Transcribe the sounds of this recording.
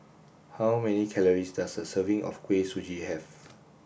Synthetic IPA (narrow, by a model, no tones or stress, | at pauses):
hawmɛnikʰɛləɹisdasdəsəvĩŋʔɔ̰fkʰwesud͡ʒihɛv